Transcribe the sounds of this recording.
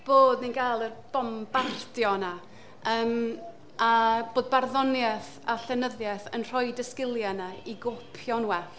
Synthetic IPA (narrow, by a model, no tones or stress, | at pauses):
b̥oːdninɡalˠərb̥ɔmbartjɔna | əːm | ab̥oːd̚barðɔnjɛθ | aɬɛnəðjɛθənr̥ɔjdəskɪlˠjanaiɡopʰjɔnwɛ